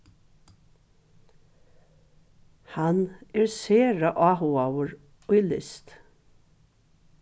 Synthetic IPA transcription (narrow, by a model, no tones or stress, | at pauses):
hanɛɹseːɹaʔɑːɦʊawəɹ | ʊjlɪst̪